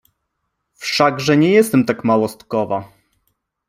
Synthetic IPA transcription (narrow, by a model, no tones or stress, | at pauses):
fʂaɡʐɛɲɛjɛst̪ɛmt̪akmawɔst̪kɔva